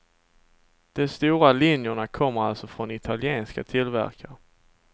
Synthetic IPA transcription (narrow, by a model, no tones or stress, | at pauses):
d̪̥ɔmst̪uːɾalɪnjʊɳakʰɔmːəɾalsɔfɾɔnɪt̪ʰaljeːnskat̪ʰɪlvæ̰ɾkaɾ